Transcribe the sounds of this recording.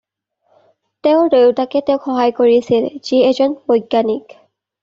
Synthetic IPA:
teʊɹdeʊtakɛtɛʊkxɔɦajkoɹiasilz̥iezɔnbojɡːanik

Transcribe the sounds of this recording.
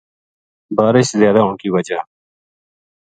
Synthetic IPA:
baːɾɪʃzjaːd̪aːõkiwɐd͡ʒaː

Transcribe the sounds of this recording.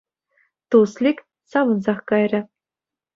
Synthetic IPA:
t̪uslʲikʲ | sɑʋɤ̆nzɑχkɑjrʲɘ̆

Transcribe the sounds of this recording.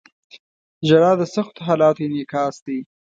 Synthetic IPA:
ʒaɾɑːd̪əsaxt̪oɦɑːlɑːt̪ojenɪkɑːsd̪i

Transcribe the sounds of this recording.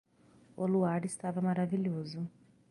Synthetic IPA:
oluaɾɪst̪avɐmaɾaviʎozu

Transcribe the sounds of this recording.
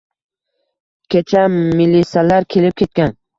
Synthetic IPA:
kʲʰet͡ʃʰamɪlisalaɾkʲʰe̞lɪp̚kʲʰe̞t̪̚kʲan

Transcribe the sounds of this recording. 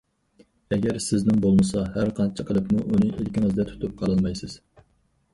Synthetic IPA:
ɛɡʲɛɾsɪznɪŋbolˠmɨsɑhæɾqʰɑnt͡ʃʰɪqʰəlˠɨpmuʔunɨʔilkʲiŋɨzd̪ɛt̪ʰu̥t̪ʰup̚qʰɑlˠɨlˠmɑjsɪz̥

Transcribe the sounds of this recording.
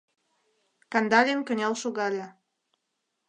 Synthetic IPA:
kɑnd̪ɑlʲenkə̆nʲɑlʃoɣɑlʲe

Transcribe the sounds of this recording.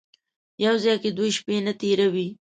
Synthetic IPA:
jawzɑjked̪wojʃpenat̪eɾawi

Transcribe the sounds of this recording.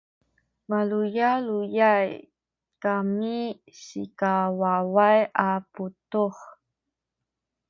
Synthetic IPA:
valujalujaj | kami | sḭkawawajʔaputuχ

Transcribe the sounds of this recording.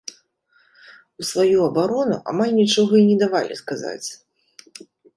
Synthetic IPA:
usvajuɐbaɾɔnṵʔa̰malʲnʲit͡ʂɔɣɐinʲɛd̪avalʲḭskaza̰t͡sʲ

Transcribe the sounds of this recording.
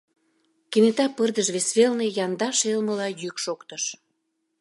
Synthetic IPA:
kinet̪ɑpərd̪əʃβesβelnejɑnd̪ɑʃelməlɑjykʃokt̪əʃ

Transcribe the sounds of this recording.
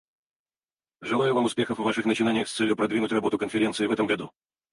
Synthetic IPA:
ʐɨlˠajʊvamʊspʲexəfvaʂɨxnət͡ɕɪnanʲɪjəxst̪sɛlʲjʊpɾɐd̪vʲinʊtʲrɐbo̞t̪ʊkənfʲɪɾʲe̞ntsɨɪvɛt̪əmɡɐd̪u

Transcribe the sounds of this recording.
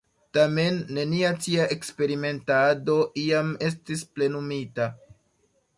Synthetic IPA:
tame̞nːe̞niatiaʔe̞kspe̞ɾime̞ntado̞ʔiame̞s̬tisple̞numita

